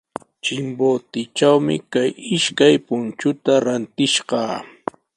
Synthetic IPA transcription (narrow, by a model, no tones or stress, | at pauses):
t͡ʃɪmboːt̪ɪt͡ʃawmɪ̰kajɪʃkajpʊnt͡ʃʊt̪aɾant̪ɪʃɢɑː